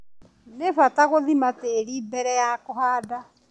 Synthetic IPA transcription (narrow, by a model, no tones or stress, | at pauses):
nefataɣoðimateɾiːbɛɾɛjakoɦaːda